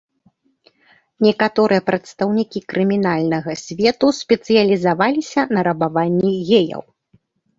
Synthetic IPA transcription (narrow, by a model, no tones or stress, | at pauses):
nʲɛkat̪ɔɾɨjɐpɾɐt̪st̪ɐwnʲikʲikɾɨmʲinalʲnɐɣɐsʲvʲɛt̪usʲpʲɛt̪sɨjɐlʲizavalʲisʲɐnɐɾɐbavanʲːiɣʲejɐ̰w